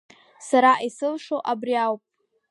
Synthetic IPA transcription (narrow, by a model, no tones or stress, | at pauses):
saɾaʔisɨlʂoʔabriawpʼ